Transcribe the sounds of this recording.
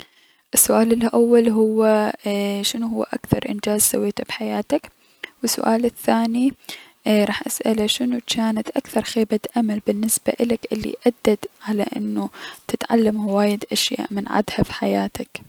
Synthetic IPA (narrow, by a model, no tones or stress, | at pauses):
ʔɪsːʊʔaːlɪlʔawːalɦʊwːa | ʃɪnuhʊwːa̰ʔa̰kθɑɾˤʔɪ̰nd͡ʒaːzsa̰wːeːt̪abħajaːt̪ak | wɪsːʊ̰ʔaːlɪθːaːni | ɾˤɑːħʔasʔalaʃɪnut͡ʃaːnat̪ʔakθɑɾˤxeːbat̪ʔamalbɪnːɪsb̥a̰ʔɪlakʔɪlːḭʔad̪ːad̪ʕala̰ʔɪ̰nːut̪ɪt̪ʕa̰lːamhwaːjɪd̪ʔaʃja̰ːʔmɪnʕa̰d̪hafi̥ħajaːt̪ak